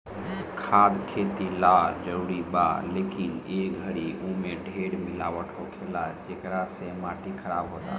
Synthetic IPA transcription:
kʰaːd̪kʰet̪ilaɾd͡ʒəɾuɾiba̰lekineɡʱəɽiumẽɖʱeɽmɪlaːʋəʈkokʰelad͡ʒeːkɾasemaʈikʰəɾabɦot̪a̰

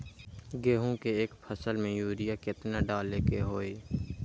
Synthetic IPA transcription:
ɡeːɦũkeeːkpʰəsəlmẽjuːɾijakɪt̪naɖaːlekeɦoːeː

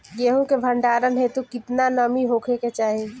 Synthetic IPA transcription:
jeɦũkebʱəɳɖaːɾənɦet̪ukɪt̪nanəmiɦokʰeket͡ʃaːɦi

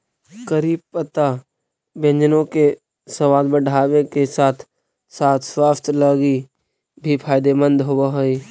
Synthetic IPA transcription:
kəɾiːb̚pət̪a | bẽɲd͡ʒnõke | səʋaːd̪bəɖʱaːwekesaːt̪ʰ | saːt̪ʰswaːst̪ʰləɡi | bʱipʰaːjd̪emə̃nd̪ɦobaɦoi

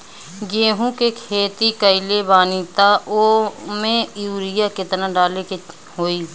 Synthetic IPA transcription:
ɡeːɦũkekʰeːt̪ikəɪlebaːnit̪aʔoːmẽjuːɾɪjakɪt̪naɖaːleke | ɦoːi

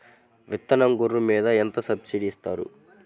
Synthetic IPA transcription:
ʋit̪ːɐnɐŋɡuɾːumiːd̪ɐent̪ɐsɐbsiɖist̪aːɾṵ

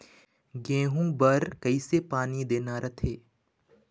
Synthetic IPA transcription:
ɡẽːɦũbəɾkəisepaːnid̪eːnaɾət̪ʰeː

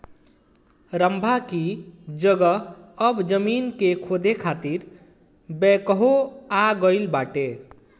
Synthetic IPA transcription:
ɾəmbʱakid͡ʒəɡəɦəbd͡ʒəminkekʰod̪ʱekʰat̪iɾ | bɛkəɦoaɡəɪlbaʈe

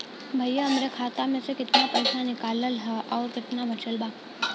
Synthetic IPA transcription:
bʱɐjːəɐmɾekʰaːt̪amẽsekɪt̪napɐjsanɪkaːləlɦəʔɔːɾkɪt̪nabʱɐt͡ʃəlbaː

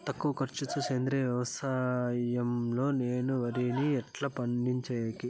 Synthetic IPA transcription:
t̪ɐkːuʋɐkɐɾt͡ʃut͡ʃut͡ʃeːnd̪ɾeʋjɐʋɐsaːjɐmloːneːnuʋɐɾiniɛʈlɐːpɐɳɖiɲt͡ʃɐːjɐki

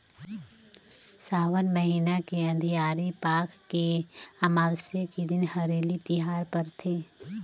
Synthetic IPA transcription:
saːʋənməɦiːnakeɐ̃nd̪ʱijaːɾipaːkːeamaːlsjəked̪ɪnhɐɾeːlit̪ɪɦaːɾpɐɾt̪ʰeː

